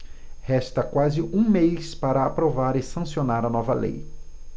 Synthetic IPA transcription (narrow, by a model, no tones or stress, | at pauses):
hɛst̪ɐkwazɪʔũmejspaɾɐapɾovaɾɪsɐ̃sionaɾɐnɔvɐlḛj